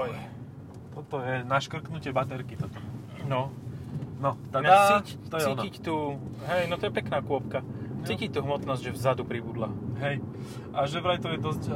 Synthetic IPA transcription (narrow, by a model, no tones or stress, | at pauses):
t̪ɔt̪ɔjɛnaʃkr̩knucɪɛbat̪ɛɾkit̪ɔt̪ɔ | nɔ | nɔt̪aat͡scit̪ɔjɛiɔnaict̪uɦɛjnɔt̪ɔjɛpɛknaːkʊɔpkat͡sicic̚ʲt̪uɦmɔt̪nɔzɟʲʒɛvzad̪upɾibud̪laɦɛj | ʔaʒɛvɾajt̪ɔjɛd̪ɔsc